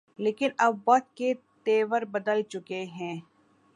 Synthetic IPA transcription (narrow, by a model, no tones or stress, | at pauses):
leːkɪnɐbːɐt̪̚ke | t̪eːʋəɾbɐd̪əlt͡ʃʊkeɦɛ̃ː